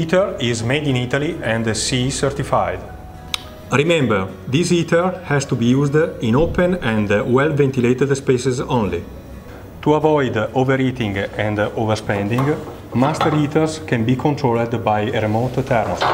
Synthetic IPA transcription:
it̪əɹizmejd̪ĩnit̪aliɛ̃nd̪sisɛɾt̪ifajd̪ | ɾimɛ̃mbɛɹ | d̪isit̪əɹhɛst̪ubijuzd̪ĩnopɛ̃nɛ̃nd̪wɛlvɛ̃nt̪ilet̪ɛd̪spesɛzõnli | t̪uavɔjd̪ovɛɾit̪ĩŋɡɛ̃nd̪ovɛɾspɛ̃nd̪ĩŋɡ | mast̪əɾit̪əɾskɛ̃nbikʰõnt̪ɾold̪bajɾemot̪ːɛɾm

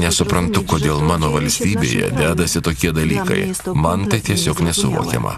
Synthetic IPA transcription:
nʲɛsʊpɾɐnt̪ʊkoːd̪ʲeːlˠmɑːnoːʋɐlʲsʲt̪ʲiːbʲḛːjɛ̰d̪ʲæːd̪ɐsʲɪt̪oːkʲiɛd̪ɐlʲiːkɐ̰ɪmɐnt̪ɐɪt̪ʲiɛsʲoːknʲɛsʊʋo̰ːkʲɛ̰mɐ̰

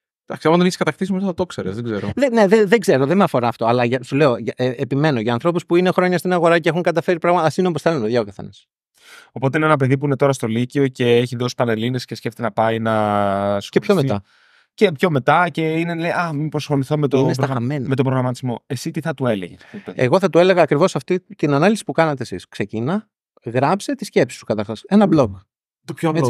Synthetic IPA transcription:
d̪̥ɐksiɐmɐnt̪oneçi̥skɐt̪ɐxt̪isimt̪θɐt̪o̞kseɾzðeɡzeɾoðeneðeðeɡze̞ɾo̞ðemeɐfo̞ɾɐːft̪o̞ɐlɐʝɐsule̞o̞ʝɐʔeepime̞no̞ʝɐːnθɾo̞puspuinexɾo̞ɲɐst̪inɐɣo̞ɾɐceexuŋkɐt̪ɐfɾipɾɐɣmɐt̪ɐsinop̬osθelnt̪oðʝɐokɐθe̞̰nɐs | o̞po̞t̪e̞inenɐp̬e̞ðip̬uinet̪o̞ɾɐst̪o̞licio̞ce̞eçiðo̞si̥pɐleline̞scesceft̪et̪enɐpɐinɐsepçomet̪ɐ | cepço̞me̞t̪ɐce̞ineleʔɐmipɾosxo̞liθomet̪oinesɐɣɐmenmet̪obpɾoɣɾɐmɐt̪izmo̞e̞sit̪iθɐt̪ue̞lḛʝee̞̰ɣo̞θɐt̪ue̞le̞ɣɐːkɾivo̞sɐft̪it̪inɐnɐlisi̥pukɐnɐt̪e̞esiskse̞cinɐ | ɣɾɐpset̪isce̞psi̥st̪ukɐt̪ɐɾxɐse̞nɐblok | t̪opço

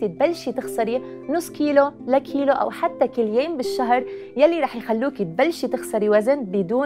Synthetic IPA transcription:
t̪it̪̚balːʃit̪ɪxsɑɾi | nʊsˤːkiːlolakʰiːloʔa̰wħat̪ːakɪlːjeːmbɪʃːaɦɾˤjalːiɾˤɑːħjxalːuːkit̪̚balːʃit̪ɪxsɑɾiwazɪnbɪd̪uː

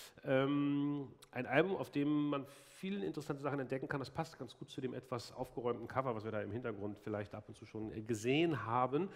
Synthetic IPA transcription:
ʔɛːm | ʔaɪnʔalbʊma̰ʊfd̥eːmːan | fiːlənɪ̰ntəʁəsantəzaχn̩ɛnt̚d̥ɛkŋ̩kʰandaspʰastɡ̥ant͡sɡ̥uːt̚t͡suːdeːmʔɛtv̥asʔa̰ʊfɡ̥əʁɔʏmtn̩kʰavɐvasv̥iːɐdaːɪmhɪntɐɡʁʊntfɪlaɪçtʔapʊntt͡suːʃoːnɡəzeːənɦaːbən

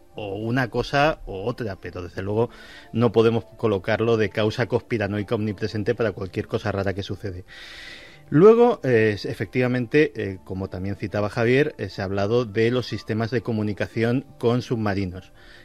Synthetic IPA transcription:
ounako̞saoot̪ɾape̞ɾo̞ðe̞zðelwe̞ɣ̞o̞ | no̞po̞ðe̞mo̞sko̞lo̞kaɾlo̞ðe̞kawsako̞hpiɾano̞jkaonipɾe̞se̞nt̪e̞paɾakwalkje̞ɾko̞saraɾake̞suθe̞ðe̞ | lwe̞ɣ̞o̞ʔesefe̞k̚t̪iβamẽnt̪e̞ko̞mo̞t̪amje̞n̟θit̪aβaxaβ̞je̞ɾseaβ̞lað̞oðe̞lo̞sːist̪e̞mazðe̞ko̞mũnikaθjo̞ŋko̞nsuβmaɾino̞s

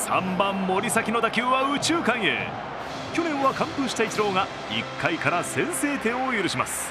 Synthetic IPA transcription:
sã̰mbãmːo̞ɾʲisakʲino̞d̪akʲɨːβaɯ̟t͡ɕɨːkãɰ̃ḛː | kʲo̞nẽ̞ɰ̃βakãmpɯ̟ɕi̥t̪ait͡ɕiɾo̞ːŋa | ḭkʰːaikaɾasẽ̞ɰ̃se̞ːt̪ẽ̞ɰ̃ojɯɾɯ̟ɕima̰sɨ̥

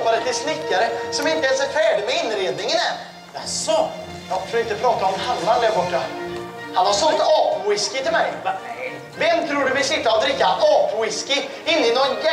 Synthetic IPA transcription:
pɑɾət̪ːɪsnɪkːəɾəsɔmɪnt̪ːəɛsɛɾt̪ʰeːɖəmɛɪnɾeːd̪nɪŋənɛ | d̪ɛæsɔ | ɡɑt̪fɾɔɪt̪k̪ːəpʰɾɑːt̪ɑɔmhɑlːɑnd̪ɛɾbɔʈːə | hɑnʋɑɾʂɔnt̪əoːpənwɪskɪt̪ʰɪlmæɪ | ʋɛnt̪ʰɾuːɖʉbɪʂɪt̪ːəɔd̪ɾɪkːənoːpənwɪskɪ | ɪnːɪnɔnɡ

